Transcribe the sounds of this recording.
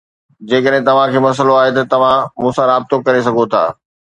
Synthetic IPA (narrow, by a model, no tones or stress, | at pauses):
d͡ʑeːkəɗɦɪ̃t̪ɐʋ̤ãkʰeːmɐs̬əloaːɦet̪ɐt̪ɐʋ̤ãmũːsãɾaːb̚t̪okɐɾes̬ɐɡʱot̪ʰa̰ː